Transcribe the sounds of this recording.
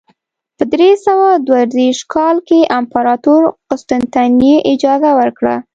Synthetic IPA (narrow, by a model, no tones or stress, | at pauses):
pəd̪ɾesawad̪waɾd̪eʃkʰɑlkeʔampɑɾɑt̪uɾqʊst̪ɪnt̪aneʔɪd͡ʒɑzawəɾkɽa̰